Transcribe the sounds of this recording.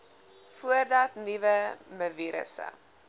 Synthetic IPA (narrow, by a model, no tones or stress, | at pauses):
fuərdɐtnivəməviɾə̰sə̰